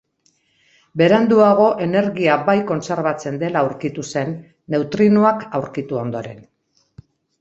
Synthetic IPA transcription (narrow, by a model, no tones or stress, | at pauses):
be̞ɾand̪uaɣ̞o̞ʔe̞ne̞ɾɣiabajko̞nse̞ɾβ̞at͡se̞nd̪e̞lawɾkit̪use̞nː | e̞wt̪ɾinuakawɾkit̪uo̞nd̪o̞ɾe̞̰n